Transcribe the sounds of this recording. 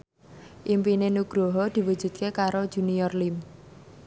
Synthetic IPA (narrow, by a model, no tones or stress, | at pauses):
ʔimpinenuɡ̥ɾoɦɔd̪̥i̤wud̥ʒ̥ṳt̪̚kekaɾod̥ʒ̥ṳniɔrlim